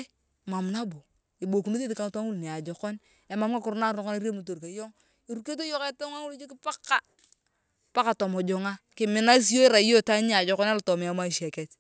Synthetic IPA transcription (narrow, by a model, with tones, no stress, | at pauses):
ma˨m˨na˦bo˨ | i˨bo˨ku˨nu˦ti˦ti˨ka˨ŋ˨twa˦ŋu˦lni˨a˨d͡ʒɔ˨kɔ˦n | a˨ma˨m˦ka˦ku˨ɾna˦˨ɾnɔ˦kɔ˦na˦ɾe˦mu˨t̬o˨ɾka˨jɔ˦ŋ | i˨ɾu˨ke˦t̬o˦jo˦ke˦ta˦ŋa˦ŋu˦ld͡ʒi˦kɪ˦pa˦kːa˦ | pa˦ka˨to˨mɔ˨d͡ʒɔ˨ŋa˦kɪ˨mɪ˨˦na˦s̬i˦jo˦i˦ɾa˨˦jo˦ta˦ɲ˦a˨d͡ʒɔ˨kɔ˦na˦lto˨m˨ja˨˦ma˦˨ʃe˨kɛ˨t